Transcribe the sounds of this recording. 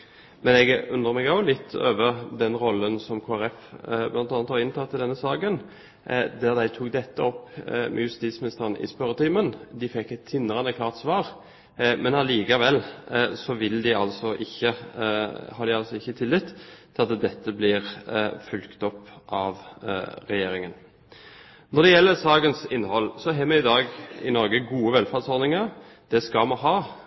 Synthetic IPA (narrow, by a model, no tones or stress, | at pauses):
mɛnɛɡʉnd̪ʁəʁmɛɡɑʊlɪt̪ʰːø̰ːʋəʁd̪ɛnʁɔlːənsɔmkʰoːæɾɛfblɑnɑːnət̪hɑʁɪnt̪ʰɑt̪ʰːɪlɛnːəsɑːkən | d̪æʁd̪æɪt̪ʰuːkd̪ɛt̪ːəɔpːmʔɛ̰jʉst̪iːt̪smɪnɪst̪əʁənʔɪ̰spœɾət̪ʰiːmənd̪ɪfɛkːɛt̪ʰːɪnːəʁɑnəkʰlɑːʁt̪sʋɑːʁ | mɛnɑliːkɑʋɛlːsɔʋɪld̪ɪɑlsɔʔɪçːə | hɑɾd̪ɪɑlsɔɪçːət̪ʰɪlːɪt̪ːʰɪlɑt̪d̪ɛt̪ːəblɪʁfʉlkt̪ɔpːʔɑʋɾɛjeːɾɪŋən | nɔɾd̪ɛjɛlːəɾsɑːɡənsɪnːhɔlːsɔɦɛːmɛɪd̪ɑːɡɪ̰nɔɾɡəɡuːəʋɛlfæd̪sɔɾd̪ɪŋə | d̪̥ɛskɑmɑɦɑː